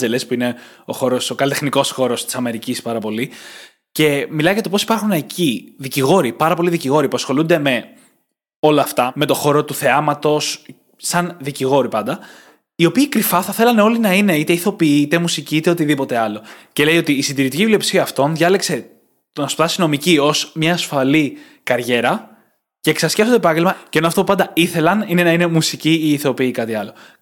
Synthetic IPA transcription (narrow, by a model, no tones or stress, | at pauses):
zelespuine̞o̞xo̞ɾo̞sokɐlit̪exniko̞sxo̞ɾo̞st̪i̥sɐme̞ɾicispɐɾɐpo̞li | ce̞milɐjʝɐt̪o̞po̞si̥pɐɾxunɐcʰiðiciɣo̞ɾipɐɾɐpo̞liðiciɣo̞ɾipuɐsxo̞lund̪e̞me̞ | o̞lɐːft̪ɐme̞t̪o̞xo̞ɾo̞t̪uθe̞ɐmɐt̪o̞s | sɐnðiciɣo̞ɾipɐnd̪ɐ | io̞piːkɾifɐθɐθe̞lɐne̞o̞linɐine̞it̪eiθo̞piiit̪e̞musiciit̪eo̞t̪iðipo̞t̪e̞ɐlo̞ce̞le̞ijo̞t̪iːsind̪iɾit̪icivlio̞psiɐɐft̪o̞nðʝɐlekse̞ | t̪onɐspt̪ɐsino̞micio̞smɲɐːsfɐli | kɐɾʝe̞ɾɐ | ce̞ːksɐsceftod̪epɐɲɟelmɐceenoɐft̪oupɐnd̪ɐiθe̞lɐnine̞nɐine̞musiciiːθo̞piikɐt̪iɐlo̞